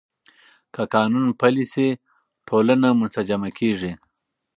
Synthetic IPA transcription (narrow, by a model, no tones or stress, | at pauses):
kakɑːnunpɐlisi | ʈʰoːlanamʊt͡s̪ad͡ʒamakʰeːʐi